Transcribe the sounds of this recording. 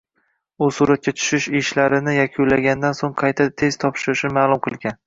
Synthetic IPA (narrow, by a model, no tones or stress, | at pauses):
ʊsuɾat̪̚kʲat͡ʃ̪ʰʊ̥ʃɪʃɪʃlaɾɪnɪjakʲʰʊlaɡʲand̪ansoŋqʰɑjt̪ʰat̪ʰe̞z̥t̪ʰɒpʃɪɾɪʃɪnmaːlˠʊmqʰɨlˠɡʲan